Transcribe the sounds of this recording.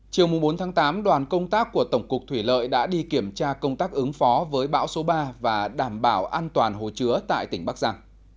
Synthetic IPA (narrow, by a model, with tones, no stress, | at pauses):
t͡ɕi˨˩əwmʊ˨˩ŋ͡mɓo˨˦nt̪ʰaː˨˦ŋt̪aː˨˦mɗwaː˨˩nkə˧wŋ͡mt̪aː˦˥kːu˧˩ət̪ə˧˩wŋ͡mkʊ˨˩k̚t̪ʰwi˧˩lə̰ː˧˨jɗa̰ː˧˥ɗi˧ki˧˩əmt͡ɕaː˧kə˧wŋ͡mt̪aː˦˥k̚ʔɨ˨˦ŋfɔ˨˦vəː˨˦jɓa̰ː˧˥wso˨˦ɓaː˧vaː˨˩ɗaː˧˩mɓaː˧˩wʔaː˧nt̪waː˨˩nɦo̰˨˩t͡ɕɨ˨˦ət̪a̰ː˧˨jt̪ï˧˩ŋɓa˦˥k̚za˧ŋ